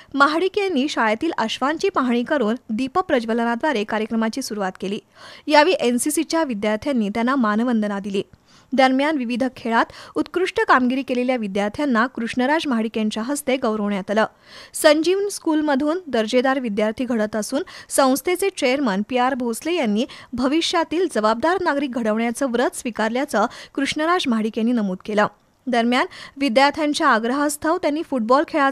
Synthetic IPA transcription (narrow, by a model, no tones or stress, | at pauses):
məɦɽikjanːiːɕajat̪iːlʔəɕʋaɲt͡ɕiːpaɦɳ̃iːkəɾuːnd̪ipəpɾəd͡ʑʋələnad̪ʋaɾekaɾjəkɾəmat͡ɕiːsuɾuʋat̪keliːjaʋiːʔensisit͡ɕjaʋid̪jaɾt̪ʰjanːiːt̪janːamanʋənd̪ənad̪iliː | d̪əɾmjanʋiʋid̪ʱəkʰːeɭat̪ut̪kɾuʂʈəkamɡiɾiːkeleljaʋid̪jaɾt̪ʰjanːakɾuʂɳəɾad͡zməɦɽikjaɲt͡ɕaɦəst̪eɡəwɾəʋɳjat̪ləː | səɲd͡ʑiːʋnskulməd̪ʱuːnd̪əɾd͡ʑed̪aɾʋid̪jaɾt̪ʰiːɡʱəɽət̪əsuːnsə̃w̃st̪ʰet͡set͡ɕɾejəɾmənpiaɾbʱoslejanːiːbʱəʋiʂjat̪iːld͡zəʋab̚d̪aɾnaɡɾik̚ɡʱəɽəʋɳjat͡səːʋɾət̪ʰsʋikaɾljat͡səkɾuʂɳəɾad͡zmaɽikjenːiːnəmuːd̪kelə | d̪əɾmjanʋid̪jaɾt̪ʰjaɲt͡ɕjaːɡɾəɦəst̪ʰəʋt̪janːiːfuʈ̚bɔlkʰeɭa